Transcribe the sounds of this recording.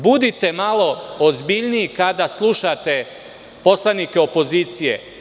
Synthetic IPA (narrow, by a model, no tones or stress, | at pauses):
bud̪it̪e̞malo̞ozbiʎniikad̪aslˠuʃat̪e̞ | po̞slˠanikeo̞po̞ziːt̪sije̞̰